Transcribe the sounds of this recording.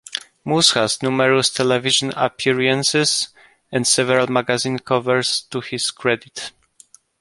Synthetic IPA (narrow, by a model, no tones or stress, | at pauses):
musxasnumɛɹɔst̪ʰɛlɛviʒɔ̃na̰pʰiɹiɛ̃nsɪz | ɛ̃nd̪sɛvɛɹalmaɡazĩnkʰɔvɛɹst̪uhiskɹɛd̪it̪